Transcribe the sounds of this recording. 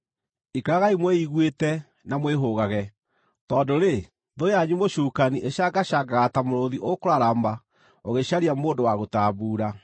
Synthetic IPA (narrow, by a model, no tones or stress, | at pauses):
ikaɾaɣaimwɛiɣwetɛ | namweɦoɣaɣɛ | tɔːdoɾe | ðoaɲumoɕuːkaniʔeɕaɡaɕaɡaɣatamoɾoðiʔokoɾaɾamba | oɣeɕaɾiamoːndowaɣotaːβuːɾa